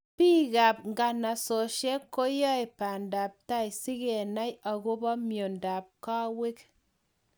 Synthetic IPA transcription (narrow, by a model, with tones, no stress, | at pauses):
pi˦ɡa˨pŋɡa˨na˨so˨ʃe˦kːo˦jɔ˦jpa˨nda˨p̚ta˦jsi˦ɡe˨na˦ja˨ɡo˦bɔ˦mjo˨nda˨p̚ka˦we˦k